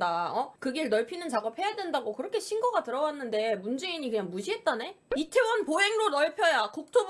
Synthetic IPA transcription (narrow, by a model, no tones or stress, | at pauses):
daʌkɯɡeɭnʌɭpʰinɯnt͡ɕaɡʌp̚he̞jadwe̞ndaɡokɯɾʌkʰe̞ɕʰinɡʌɡatɯɾʌwanːɯnde̞mund͡ʑe̞iɲikɯɲaŋmuɕʰiɦe̞t̚t͈ane̞itʰe̞wʌnpoɦe̞ŋɾonʌɭpʰjʌjakuk̚tʰob